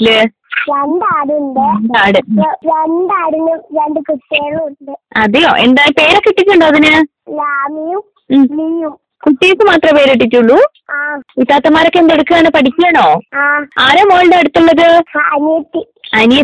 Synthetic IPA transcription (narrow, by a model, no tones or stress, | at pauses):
lɨ | enɖaːɽunɖend̪aːɽɨʋenɖaːɽnumɾeɳɖɨkutːeːluɳɖɨɐðejo̰ːʔe̞̰nd̪aːjpe̞ːɾokːiʈːikʲːuɳɖoːɐðinɨ | laːmijum | mnijum | kuʈːijisɨmaːt̪rɐpeːɾeʈːitʲːuɭːu | aːit̪ːaːt̪ːɐmaːɾo̞kːend̪eɽukːɨɣaːnɨpɐʈʰikʲːuaːɳo̞ːaːaːɾɐmoːlɖɨɐɽut̪ːuɭːɐðɨɐnjɐt̪ːi | ɐnjɐ